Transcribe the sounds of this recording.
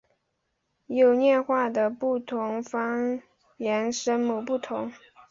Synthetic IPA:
jo˨˩ʊnjɛ˥˧nxwa˥˩d̪ə˩pu˥˩t̪ʰʊ˧˥ŋfɑ˥ŋ | jɛ˧˥nʂə˥nmu˥˩pu˥˩t̪ʰʊ˧˥˦ŋ

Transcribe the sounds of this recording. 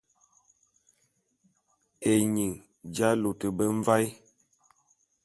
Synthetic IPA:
e˨ɲi˨ŋ | d͡ʒa˦lo˨tə˨bə˦ɱ˦va˦j

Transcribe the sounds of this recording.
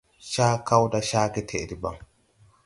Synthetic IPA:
ʃaː˦kːɐ˦wd̪ɐ˦ʃaː˦kɛ˦t̪ʰɛ˨d̪ɪ˨ba˨

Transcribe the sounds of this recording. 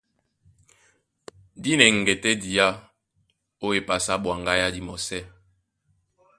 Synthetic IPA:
di˦nɛ˨ŋ̩˨ɡe˨tɛ˦di˨a˦ | o˦e˨pa˨sa˦bwa˨ŋɡa˦ja˦di˨mɔ˨sɛ˦

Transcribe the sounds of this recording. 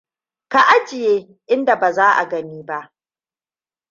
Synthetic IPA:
ka˨ʔa˦d͡ʒɪ˨jeː˦ | ʔɪ˦nda˨baː˨zaː˦ʔa̰˨ɡɐ˦niː˦ba˦ʔ

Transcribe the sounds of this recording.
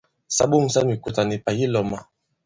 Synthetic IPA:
sa̰˦bo˦ŋ̩˨sa˦mi˨ku˨ta˨ni˨pa˨ji˦lɔ˨ma˦

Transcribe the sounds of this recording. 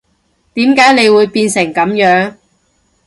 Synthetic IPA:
t̪iː˨˥mkaː˨˥jne˨˧jwuː˨˧jpiː˧nsɪ˨˩ŋkɐ˨˥mjœː˨˥ŋ

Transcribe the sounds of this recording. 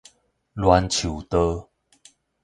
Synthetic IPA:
lwa˧nt͡ɕʰu˨˩t̪ə˦

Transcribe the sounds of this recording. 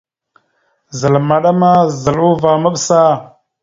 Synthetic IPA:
zə˨lma˨ɗa˦ma˦zə˨lu˦va˨mə˦ɓsa˦

